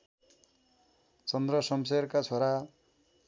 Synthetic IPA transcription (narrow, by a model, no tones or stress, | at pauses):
t͡sʌnd̪rʌsʌms̬eɾkat͡sʰoɾa